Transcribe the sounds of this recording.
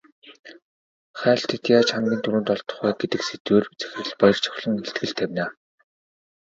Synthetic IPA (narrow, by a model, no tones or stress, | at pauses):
χæːɬt̪ʰet̪jaːt͡ɕχamɡʲiːnt̪ʰuɾŭːnt̪ɔɮt̪ɞ̥̆χæːɡet̪ɘ̆kset̪weːrt͡sæ̥x̆ʲɘ̆ɮpɔjɞ̆r̥t͡ɕʰɔ̥xɮɞ̆ŋeɬt̪ɡɘ̆ɮt̪ʰːæwʲnaː